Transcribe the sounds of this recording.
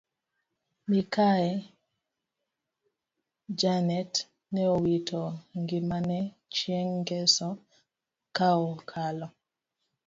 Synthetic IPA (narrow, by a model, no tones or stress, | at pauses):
mikaɛ | d͡ʒanɛt | nɛowitʰɔŋɡimanɛ | t͡ʃjɛŋɡɛsɔ | kaɔkʰalɔ